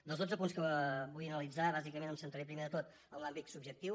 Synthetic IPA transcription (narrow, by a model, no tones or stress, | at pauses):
d̪əlˠzðod͡zəpunskəbujənəlid͡zaβazikəmenəmsənt̪əɾepɾimeðət̪ot̪ | ənlambit̪subʒək̚t̪iw